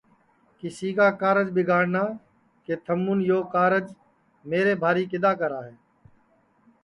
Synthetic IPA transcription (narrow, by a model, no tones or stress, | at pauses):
kɪsiːkaːkaːɾəd͡ʒbɪɡʱaːɽnaː | keːt̪ʰəmːʊnjoːkaːɾəd͡ʒ | meːɾeːbʱaːɾiːkɪd̪aːkəɾaːɦeː